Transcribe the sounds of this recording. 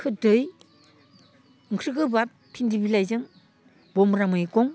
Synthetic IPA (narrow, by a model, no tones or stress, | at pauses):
kʰɯdɯj | ɯŋkʰɾɯɡɯbap̚pʰːindibilajzɯŋ | bɔmɾamɯjkɔŋ